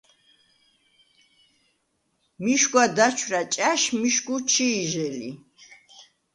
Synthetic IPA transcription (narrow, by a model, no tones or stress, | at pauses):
miʃɡwad̪at͡ʃʰwɾat͡ʃʼaʃmiʃɡut͡ʃʰiːʒɛlḭ